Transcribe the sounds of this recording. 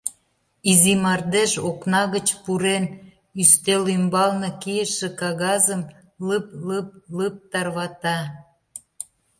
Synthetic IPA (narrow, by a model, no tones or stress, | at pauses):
izimɑrd̪eʃoknɑɣət͡ɕpuɾen | yst̪elymbɑlnɤ̆kijəʃĕkɑɣɑzəm | ləpləp̚ləp̚t̪ɑrβɑt̪ɑ